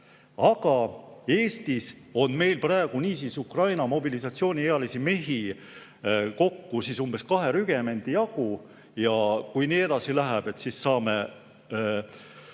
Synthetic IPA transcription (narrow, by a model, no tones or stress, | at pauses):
ɑɡ̥ɑe̞ːst̪iso̞nme̞jlprɑeɡ̥uniːsisukrɑjnɑmo̞bilisɑt̪sio̞ːnʲieɑlisime̞ɦi | ko̞kːusisumb̥e̞skɑɦeɾyɡ̥e̞me̞nʲd̪̥ijɑɡ̥u | jɑkujniːe̞d̪̥ɑsilæɦæb̥e̞t̪sisːɑːme